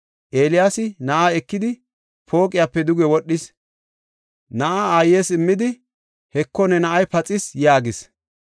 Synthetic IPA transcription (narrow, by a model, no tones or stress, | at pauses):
ʔe̞ːlɪjaːsɪnɐʔaɛkːɪd̪ɪ | pʰo̞ːkʼɪjaːpːɛd̪ʊɡɛwɔɗːɪs | nɐʔaaːjːeːsɪmːɪd̪ɪ | hɛkːɔnɛnɐʔɐjpɐt͡sʼɪsjaːɡɪs